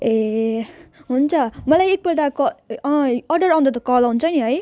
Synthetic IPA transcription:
e | ɦunt͡sʰʌmʌlajek̚bʌʈakʌʌʌrɖʌɾawnd̪at̪ʌkʌlaɦunt͡sʰʌniɦʌj

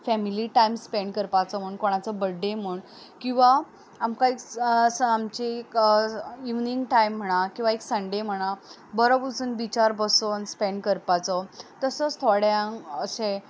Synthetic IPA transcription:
fɛmiliʈajmspeɳɖkəɾpat͡səm̤əɳkoɽ̃at͡səbəɖʱːem̤əɳ | kĩw̃ʋaː | mkãeksəamt͡ɕek | iʋniŋɡʈajm̤ːəɽ̃akĩw̃ʋaeksəɳɖem̤əɽ̃a | bəɾobut͡sənbit͡ɕaɾbəsɔənspeɳɖkəɾpat͡sɔt̪əsəst̪ʰɔɽjãŋɡəsẽ

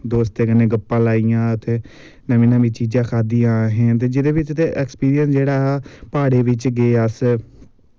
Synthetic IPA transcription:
d̪oːst̪eːkɪnẽːɡəpːãːlaːijãːət̪eː | nəʋĩːnãʋĩːt͡ʃiːd͡ʒãːkʰaːd̪ijãːɦẽːt̪̬eːd͡ʒɪd̪eːʋɪt͡ʃt̪eʔɛːkspiːɾijənsd͡ʒeːɽaːɦːpaːɽeːʋɪt͡ʃɡeːəs

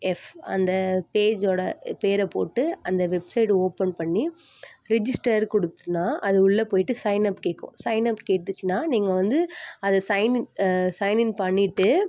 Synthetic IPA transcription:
ɛfɐ̰nd̪ɐpeːd͡ʒoːɽɐpeːɾɛpo̰ːʈːɯɐnd̪ɐʋɛbsɐɪʈoːpɛnpɐɳːi | ɾɛd͡ʒɪsʈɐɾkɔɽɯt̪ːɯnːaːʔɐðɯʊɭːɐpoːjɪʈːɯsɐɪnɐpːkeːkːʊ̰̃sɐɪnɐpːkeːʈːɯt͡ʃːɯnːaːniːŋɡɐʋɐnd̪ɯɐðɐsɐɪnɪsɐɪnɪnpɐɳːɪʈːɯ

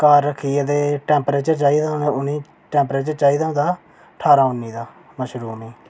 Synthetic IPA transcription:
kaːɾːəkʰːiːad̪eːʈɛ̃ːmpɾeːt͡ʃəɾt͡ʃaːiːd̪aːʊniː | ʈɛ̃ːmpɾeːt͡ʃəɾt͡ʃaːiːd̪ãːd̪aː | ʈʰaːɾaːʊnːiːd̪aː | məʃɾuːniː

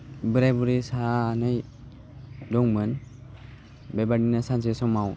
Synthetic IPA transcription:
bɯɾajbuɾisaːnɯj | dɔŋmɯn | bebadinasansesɔmaw

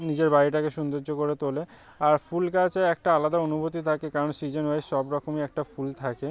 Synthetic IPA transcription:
nid͡ʑeɾbaɾiʈ̬akeʃund̪oɾd͡ʑokoɾet̪ole | aɾfulkat͡ɕeɛk̚ʈaalad̪aonubot̪ːit̪ʰakekaɾonsid͡ʑenɦoeʃɔbɾɔkomiɛk̚ʈafult̪ʰake

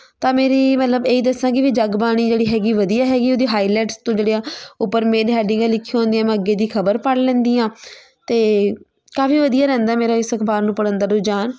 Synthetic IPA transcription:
t̪ãːmeːɾiːmət̪ləbeːiːd̪əsːãːkɪʋiːd͡ʒaɡbaːɽ̃iːd͡ʒeːɽiːɦɛːɡiːʋəd̪ijaːɦɛːɡiːoːd̪iːɦaːiːlɛːʈst̪õːd͡ʒeːɽeaːʊpːəɾmeːɾeɦɛːɖɪ̃ŋɡãlɪkʰːiɦõːnd̪ijãːmɛ̃ːəɡːeːd̪iːkʰəbəɾpəɽlɛ̃ːnd̪iːãː | t̪eː | kaːfiːʋəd̪ijaːɾɛ̃ːnd̪aːmeːɾaːɪsəkʰbaːɾnũːpəɽə̃nd̪aːɾʊːd͡ʒaːn

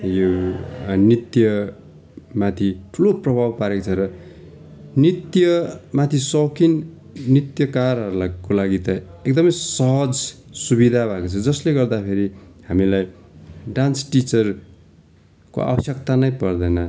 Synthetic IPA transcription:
jo | nit̪jʌ | mat̪ʰiʈʰuloprʌbʱabpaɾekt͡sʰʌɾʌ | nit̪jʌmat̪ʰisʌwkinː | it̪jʌkaɾɦʌɾulakolaɡit̪ʌekd̪ʌmʌjsʌɦʌd͡z | subid̪ʱabʱakot͡sʰʌd͡zʌsleɡʌrd̪apʰeɾihamilajɖansʈit͡sʌr | ko̰a̰bʌsjʌk̚t̪anʌjpʌrd̪ʌjnʌ

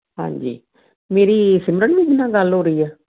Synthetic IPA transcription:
ɦã̰ːɲd͡ʒḭː | meːɾiːsɪmɾəɳʋĩːk̪ɪnːãːɡəlɦoːɾəiːɛː

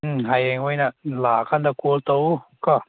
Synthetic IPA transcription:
ɦajɛŋwejnalaːkʰand̪akut̪owkɔ

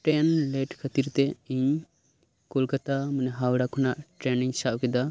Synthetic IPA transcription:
ʈɛnlɛʈkʰət̪iɾt̪ɛiɲ | kulkat̪amənɛɦawɽakʰɔnaʔʈɾɛniɲsaʔkɛd̪a

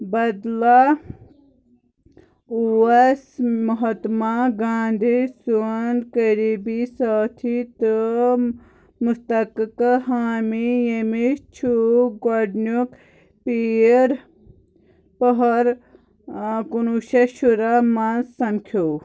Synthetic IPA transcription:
bɐd̪la | uɐsmɐɦɐt̪maɡãːnd̪ʱisuɐnkəɾibisaːt̪ʰit̪ɨ | must̪ɐkkɦaːmijemit͡ʃʰuɡoɖnuk | pieɾ | pɐɦɐɾ | kunuʃɐʃuɾamansɐmkʰoː

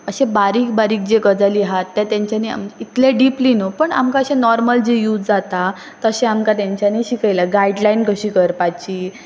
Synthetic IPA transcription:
əɕẽbaɾiːk̚baɾiːk̚d͡ʑeɡəd͡zaliɦat̪ːjat̪jãɲt͡ɕania̰md͡ʑit̪leɖiplinopəɳa̰mkaəɕẽnɔɾməld͡ʑejuːd͡zd͡zat̪a | t̪əɕẽamkat̪jaɲt͡ɕjaniɕikəjlaɡaiɖlainkəɕiːkəɾpat͡ɕiː

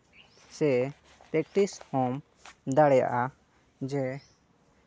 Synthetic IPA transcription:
sɛ | pɾɛk̚ʈishom | d̪aɽɛja̰ʔa | d͡ʒɛ

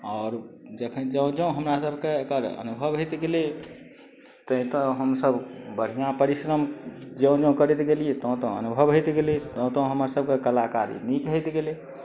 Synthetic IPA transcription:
ɔːɾd͡ʒekʰənd͡ʒə̃d͡ʒə̃ɦəmɾasəbʱkeekəɾə̰nubʱəbɦot̪ɡeli | t̪əɦĩt̪ə̃ɦəmsəbbəɽ̤ijãpəɾisɾəmd͡ʒə̃ũd͡ʒə̃kəɾɛt̪ɡeliet̪ə̃t̪əə̰nubʱəbɦojt̪ɡelit̪ə̃t̪ə̃ɦəməɾsəb̚ʱkekəlakaɾḭnikɦət̪ɡeli

